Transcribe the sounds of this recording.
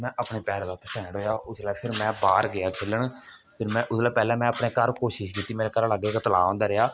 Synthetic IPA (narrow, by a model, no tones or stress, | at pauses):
mɛ̃ːʔəpɳeːpɛːɾãːd̪aːpəsʈɛ̃ːɽɦoːjaːʔʊslaːpʰɪɾmɛ̃ːbaːɾɡɪaːkʰɪlːəɳ | pʰɪɾmɛ̃ːʔʊslaːpɛːlɛ̃ːmɛ̃ːəpɳeːkəɾkoːʃɪʃkiːt̪ːiːmeːɾeːkəɾləɡeːkːt̪əla̰ːõːnd̪aːɾejaː